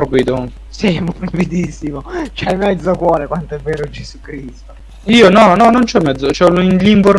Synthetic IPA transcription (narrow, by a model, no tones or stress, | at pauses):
rbid̪o | simɾavid̪isːimot͡ʃɛmːɛd̪zːokwɔːɾekwant̪oɛvːeːɾod͡ʒesukɾist̪o | iːonɔnɔnont͡ʃɛmːɛd̪zːot͡ʃɛlinliɱpor